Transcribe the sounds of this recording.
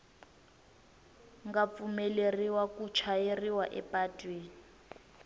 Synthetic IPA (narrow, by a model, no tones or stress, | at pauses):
ŋɡap̪fumɛleriwakut͡ʃʰajeriwaʔɛpʼatʼweːnii